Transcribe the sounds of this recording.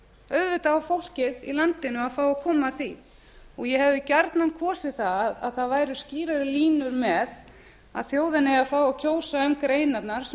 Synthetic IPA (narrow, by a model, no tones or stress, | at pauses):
œðvʏt̪aafowl̥cɪðḭlant̪ɪnːʏaðfaːwakʰɔːmaθi | ɔɣjɛhɛvðɪcaɾt̪nankʰvɔːsɪθaðaðaðθaðvaːjɾʏsciːɾaɾɪliːnʏɾmɛð | a̰ðθjoːwðɪnːɪaðfaːwawcʰoːwsaʏmkɾeːjnat̪naɾ̥